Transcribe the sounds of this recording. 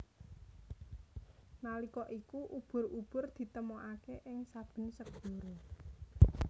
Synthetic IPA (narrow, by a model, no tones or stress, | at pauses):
nalikɔʔikuʔub̥ʊ̤rub̥ʊ̤rd̪̥i̤t̪əmɔʔakeʔɪŋsab̥ə̤nsəɡɡ̥ɔ̤ɾɔ